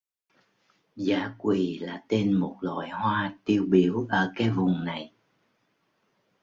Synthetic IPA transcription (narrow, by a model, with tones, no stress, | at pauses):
zaː˨˦kwi˨˩laː˨˩t̪e˧nmo˨˩t̚lwa̰ː˧˨jhwaː˧t̪i˧əwɓi˨˦əwʔəː˧˩kaː˨˦jvʊ˨˩ŋ͡mna˨˩j